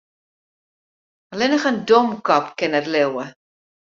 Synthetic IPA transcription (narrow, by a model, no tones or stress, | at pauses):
əlɛnəχəndɔmkɔpkɛnətlewə